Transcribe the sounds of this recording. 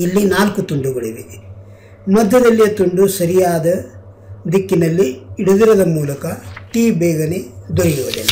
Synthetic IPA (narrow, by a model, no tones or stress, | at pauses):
ilːinaːlkut̪uɳɖuɡɐɭḭʋi | mɐd̪ːɐd̪ɐlːijɐt̪uɳɖusɐɾijaːd̪ɐ | d̪ikːinɐlːiːɽud̪iɾɐd̪ɐmuːlɐkɐʈiːbɛːɡɐned̪oɾiɾuʋɐd̪ḛnː